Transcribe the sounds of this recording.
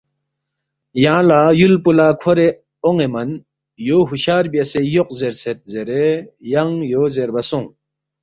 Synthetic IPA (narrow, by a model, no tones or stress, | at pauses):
jãːlaːjulpulaːkʰoɾe | oŋemɐn | joːɦuɕaːɾbijɐsejoq̚zeɾset̪̚zeɾejɐŋjoːzeɾbɐsoŋ